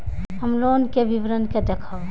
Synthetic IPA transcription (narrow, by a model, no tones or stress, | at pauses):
ɦəmlonkeʋiʋɾənked̪ekʰaʋ